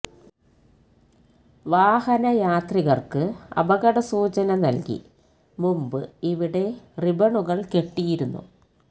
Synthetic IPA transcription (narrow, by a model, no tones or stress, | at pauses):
ʋaːhɐnɐjaːt̪riɣɐrkɨɐ̰bɐɣɐɽɐsuːt͡ɕɐnɐnɐlkḭ | mumbɨiʋiɽe̞ribɐɳuɣɐɭke̞ʈːijiɾunːṵ